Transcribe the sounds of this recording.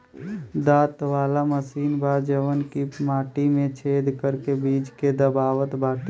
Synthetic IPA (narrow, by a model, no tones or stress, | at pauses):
d̪aːt̪ʋaːlaməsiːnbʱaːd͡ʒəʋənkimaːʈimẽt͡ʃʰeːd̪kəɾkebiːd͡ʒked̪əbaːwət̪bʱaːʈ̪